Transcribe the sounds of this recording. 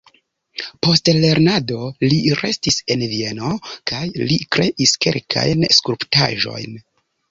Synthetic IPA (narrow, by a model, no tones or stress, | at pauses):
po̞stle̞ɾnado̞liɾe̞stise̞nvie̞no̞kajlikɾe̞ʔiske̞̰lkʰa̰jnskuɾpta̰ʒo̞̰jn